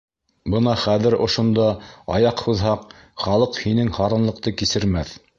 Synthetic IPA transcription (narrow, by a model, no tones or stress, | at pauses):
bɤnɑχæðɘ̆ɾŏʃŏnd̪ɑɑjɑqhʉðɦɑq | χɑlˠɤqhinɘŋhɑɾɤ̆nlˠɤ̆q̚t̪ɤkisɘ̆ɾmæθ